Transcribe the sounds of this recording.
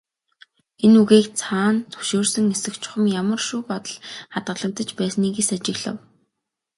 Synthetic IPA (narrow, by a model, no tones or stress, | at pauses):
enuɣeːkt͡sʰaːnt̪ʰɵ̥ʃoːrsə̆ŋesɘ̆kt͡ɕʰʊ̥χə̆mjamə̆rʃuːpɔt̪ə̆ɮχat̪̚ɢə̆ɮə̆kt̪ə̆t͡ɕpæːsniːɣesat͡ɕɪ̆ɣɮə̰̆w